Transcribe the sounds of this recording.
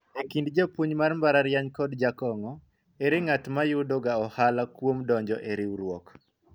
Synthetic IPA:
ekindd͡ʒopuɲmarmbaɾaɾjaɲkɔdd͡ʒakɔŋɔ | eɾɪŋatmajʊdɔɡaɔhalakwomdɔɲd͡ʒɔʔeɾiɾwɔk

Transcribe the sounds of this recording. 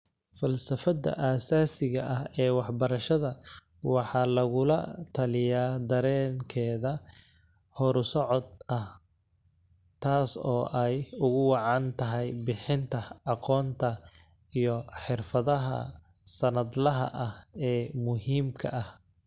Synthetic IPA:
fɐlsɐfɐd̪ɐ̰ʔaːsaːsɪɣɐʔɐɦɛːwɑħbɐɾɐʃɐðɐ | wɑħɑːlɐɣʊlɐt̪ʰɐlɪjaːd̪ɐɾɛːŋkʰɛːðɐ | hɔɾsɔʕɔd̪ɐh | t̪ʰaːsɔːʔɛjʊɣʊwɑʕɑnt̪ʰɐɦɛjbɪħɪnt̪ʰɐɑqɔːnt̪ʰɐ | ijɔħɪrfɐðɐɦɐ̰ | sɐnɐd̪lɐɦɐ̰ʔɐhɛːmʊɦiːmkʰɐ̰ʔɐh

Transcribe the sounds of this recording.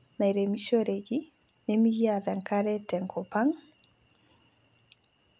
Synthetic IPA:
naiɾemiʃoɾeɡi | nemiɡiadaŋkaɾɛtɛŋkʰɔpaŋ

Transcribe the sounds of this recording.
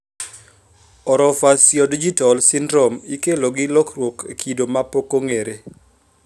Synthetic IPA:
ɔɾɔfasjɔdid͡ʒitalsindɾɔmikeloɡɪlɔkrwokekʰidomapokoŋeɾe

